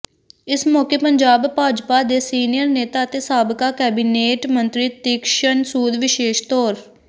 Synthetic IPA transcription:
ɪsmɔːkeːpəɲd͡ʒaːbpaːd͡ʒpaːd̪eːsiːnijəɾneːt̪aːət̪eːsaːbkaːkɛːbiːneːʈmənt̪ɾiːt̪ɪkʃənsuːd̪ʋɪʃeːʃt̪ɔːɾ

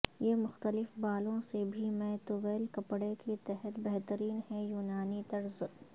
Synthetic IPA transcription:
jemʊxt̪əlɪfbaːlõsebʱimɛ̃t̪oʋɛːlkɐpɽeket̪ɛɦɛt̪bɛɦt̪əɾiːnɦɛjuːnaːnit̪ɐɾz

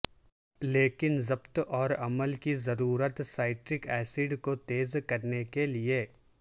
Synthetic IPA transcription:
leːkɪnzɐbt̪ɔːɾɐməlkizɐɾuːɾət̪saːɪʈɾɪkɛːsɪɖkot̪eːzkɐɾnekelie

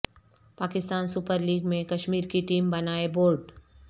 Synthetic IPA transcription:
paːkɪst̪aːnsʊpəɾliːɡmẽkɐʃmiːɾkiʈiːmbɐnaːeboːɾɖ

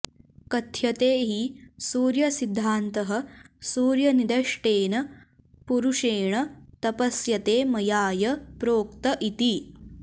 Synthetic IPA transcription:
kɐt̪ʰjɐt̪eːɦisuːɾjɐsid̪ʱːaːnt̪ɐɦɐ̆suːɾjɐnid̪ɐʂʈeːnɐ | puɾuʂeːɳɐt̪ɐpɐsjɐt̪eːmɐjaːjɐpɾoːk̚t̪ɐʔit̪i

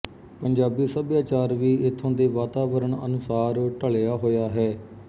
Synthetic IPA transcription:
pəɲd͡ʒaːbiːsəbjaːt͡ʃaːɾʋiːɪt̪ʰːõːd̪eːʋaːt̪aːʋəɾəɳə̰nʊsaːɾʈəɭjaːɦoːjaːɦɛː

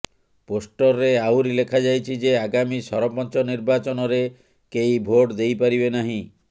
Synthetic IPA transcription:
posʈɔɾːeawɾilekʰad͡ʒajt͡ʃʰid͡ʒeaɡamisɔɾɔpɔnt͡ʃɔniɾbat͡ʃɔnɔɾe | kejbʱoʈd̪ejpaɾibenaɦĩ

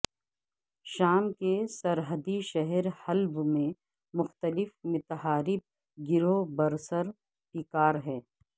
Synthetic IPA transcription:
ʃaːmkesɐɾɦəd̪iʃɛɦɛɾhɐlbmẽ | mʊxt̪əlɪfmɪt̪ɦaːɾɪb̚ | ɡɪɾobɐɾsəɾ | pikaːɾɦɛː

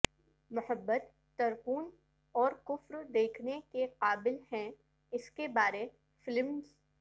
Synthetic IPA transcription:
mʊhəbːət̪ːɐɾquːn | ɔːɾkʊfɾd̪eːkʰnekeqaːbɪlhɛ̃ | ɪskebaːɾe | fɪlmz

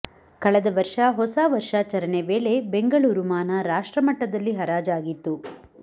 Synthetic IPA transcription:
kɐɭɛd̪ɐʋɐɾʂɐɦɔsaːʋɐɾʂaːt͡ʃɐɾɐneʋe̞ːɭe̞beŋɡɐɭuːɾumaːnɐɾaːʂʈɾɐmɐʈːɐd̪ɐlːiɦɐɾaːd͡ʒaːɡit̪ːu

